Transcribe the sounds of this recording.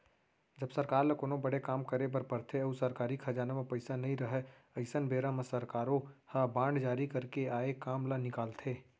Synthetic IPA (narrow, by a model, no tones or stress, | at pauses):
d͡ʒəbsəɾkaːɾlɐkoːnõbəɽekaːmkəɾebɐɾpəɾt̪ʰeɐusəɾkaːɾikʰɐd͡ʒaːnamẽpəɪsanɐɦĩɾəɦɛ | ɐɪsənbeːɾamesəɾkaːɾõhabãːɳɖd͡ʒaːɾikəɾkeaːekaːmlanɪkaːlt̪ʰeː